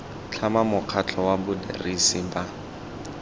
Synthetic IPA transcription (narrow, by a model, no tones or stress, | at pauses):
t͡ɬʰamamʊq͡χʰat͡ɬʰɔwabʊdḛrisɪba